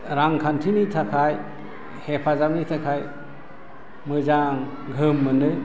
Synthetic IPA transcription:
ɾaŋkʰantʰinitʰakʰaj | hepʰazamnitʰakʰaj | mɯzaŋ | ɡʱɯmːɯnɯ

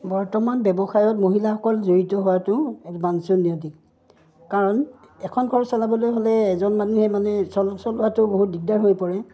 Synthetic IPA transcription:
bɔɹtɔmanbɛbɔxajɔtmoɦilaxɔkɔlzoɹitɔɦʊwatʊ̃ɛkmansuniodik | kaɹɔn | ɛkʰɔnɡʰʱɔɹɔsalabɔlojɦolɛːzɔnmanuhɛmanɛsɔlɔsɔlʊwatʊboɦut̚diɡ̚daɹɦojpɔɹɛ

